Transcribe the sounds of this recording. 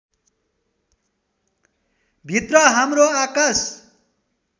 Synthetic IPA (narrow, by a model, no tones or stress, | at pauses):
bʱit̪rʌɦamroakas